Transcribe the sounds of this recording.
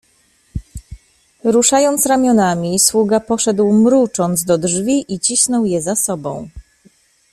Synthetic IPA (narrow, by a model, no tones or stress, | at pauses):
ɾuʂajɔnt̪sɾamʲjɔnamʲiswuɡapɔʂɛd̪wmɾut͡ʂɔnd̪zd̪ɔdʐvʲiʔit͡ɕisnɔwjɛzasɔbɔ̃w̃